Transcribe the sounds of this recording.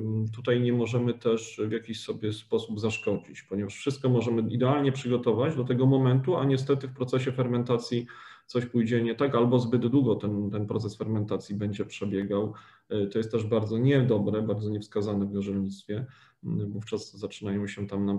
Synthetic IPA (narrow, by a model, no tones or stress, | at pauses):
t̪ut̪ajɲɛmɔʐɛmɘt̪ɛʂvʲjakʲiɕsɔbʲjɛspɔsubzaʂkɔd͡ʑit͡ɕpɔɲɛvaʂfʂɘst̪kɔmɔʐɛmɘid̪ɛalɲɛpʂɘɡɔt̪ɔvad͡ʑd̪ɔt̪̬ɛɡɔmɔmɛnt̪uaɲɛs̬t̪ɛt̪ɘfpɾɔt̪sɛɕɛfɛɾmɛnt̪at̪sʲjit̪sɔɕpujd͡ʑɛɲɛt̪akalbɔzbɘd̪d̪wuɡɔt̪ɛnt̪ɛnpɾɔ̰t̪sɛsfɛɾmɛnt̪at̪sʲjibɛɲd͡ʑɛpʂɛbʲjɛɡaw | t̪ɔjɛst̪ːɛʐbaɾd̪zɔɲɛd̪ɔbɾɛbaɾd̪zɔɲɛfskazanɛvɡɔʐɛlɲit̪st̪fʲjɛ | vuft͡ʂaz̥ːat͡ʂɘnajɔ̃w̃ɕɛt̪amna